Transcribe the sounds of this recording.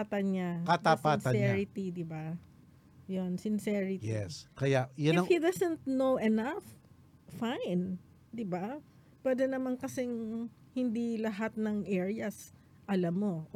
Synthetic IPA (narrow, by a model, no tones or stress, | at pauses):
at̪ɐnɲakat̪aspansɐɛɾɪt̪id̪ɪba | jonsɪnsɛɹɪtjɛskɐjajʊɪnɐhid̪ɐsɛ̃nt̪̚nowʔɛnafː | ajn | d̪ɪba | pwɛd̪ɛnɐmankɐsɛŋ | hɪnd̪ilɐɦat̪̚nɐŋʔɛɹiɐs | ʔɐlamːo̞